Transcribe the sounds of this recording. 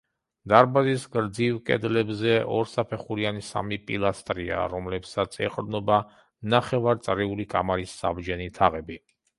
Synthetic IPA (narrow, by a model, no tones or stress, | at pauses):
d̪̥aɾbazisɡɾd̪zivkʼɛ̰d̪lɛbzɛɔɾsapʰɛχuɾianisa̰mipʼilˠast̪ʼɾia̰ɾɔmlɛpsat̪sʰɛ̰qʼd̪nɔba | naχɛvaɾt̪sʼɾiulikʼamaɾisːa̰bd͡ʒɛnit̪ʰaʁɛbi